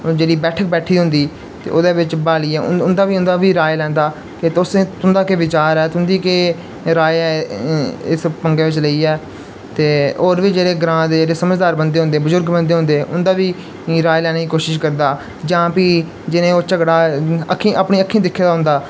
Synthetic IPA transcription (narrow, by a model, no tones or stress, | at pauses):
d͡ʒeːɽiːbɛːʈʰəkbɛːʈʰiːɦʊ̃nd̪iː | t̪ḛːʔo̰ːd̪eːʋɪt͡ʃbaːliːɛːʊ̰ʊnd̪aːʋiːʊ̃nd̪aːʋiːɾaːjlɛ̃ːnd̪aː | ket̪ʊsẽːt̪ʊnd̪aːkeʋɪt͡ʃaːɾɛːt̪ʊnd̪iːkeː | ɾaːeɛː | ɪspəŋɡẽːʋɪt͡ʃləiːɛː | t̪eːoːɾʋiːd͡ʒeːɽeːɡɾãːd̪eːd͡ʒeːɽeːsəməd͡ʒd̪aːɾbənd̪eːɦʊ̃nd̪eːbəzʊɾɡbə̃nd̪eːɦʊ̃nd̪eːʔʊnd̪aːʋiː | ɾaːjlɛːnːiːkoːʃɪʃkəɾd̪aː | d͡ʒãːpiː | d͡ʒɪnẽːoːt͡ʃəɡɽaːəkʰːĩːʔapɳĩːəkʰːĩːd̪ɪkʰːeːd̪aːɦʊ̃nd̪aː